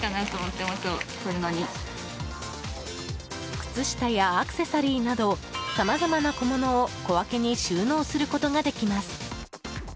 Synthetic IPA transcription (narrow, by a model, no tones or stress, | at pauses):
kanat̪omot̪ːe̞mast̪osoɾɯnoɲ̟i | kɯ̟̥t͡sɨɕi̥t̪ajaːkɯ̥se̞saɾʲiːnad̪o̞samazamanako̞mo̞no̞ːko̞βake̞ɲ̟iɕɨːno̞ːsɨɾɯ̟ko̞t̪o̞ɡad̪e̞kʲimasɨ̥